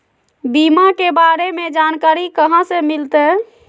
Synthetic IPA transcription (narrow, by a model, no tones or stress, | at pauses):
bimakebaɾemed͡ʒankaɾikəɦãsemilt̪ɛ